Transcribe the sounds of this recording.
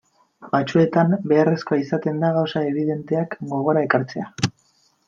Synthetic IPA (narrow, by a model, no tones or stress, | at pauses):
bat͡sue̞t̪ambe̞are̞sko̞aisat̪e̞nd̪aɣ̞awsae̞βiðe̞nt̪e̞akɡo̞ɣ̞o̞ɾae̞kaɾt͡se̞a